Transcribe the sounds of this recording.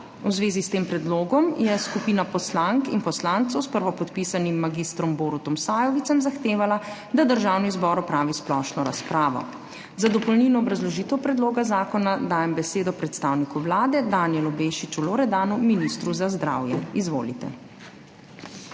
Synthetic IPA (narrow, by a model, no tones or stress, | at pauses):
wzʋeːzist̪eːmpɾɛd̪loːɡɔmjɛskupiːnapɔslaŋkḭnpɔslaːnt̪sɔwspəɾʋɔpɔt̪pisanimːaɡist̪ɾɔmboɾut̪ɔmsaːjɔʋit̪sɛmzaxt̪eːʋalad̪ad̪əɾʒaːwnizbɔːɾɔpɾaːʋisplɔʃnɔɾaspɾaːʋɔ̰ | zad̪ɔpɔlniːnɔːbɾazlɔʒiːt̪ɛwpɾɛd̪loːɡazaːkɔnad̪aːjɛmbɛseːd̪ɔpɾɛt̪st̪aːwnikuʋlaːd̪ɛd̪aːnjɛlubeʃit͡ʃuloɾɛd̪aːnuminist̪ɾuzazd̪ɾa̰ːwjɛizʋo̰ːlḭt̪ɛ̰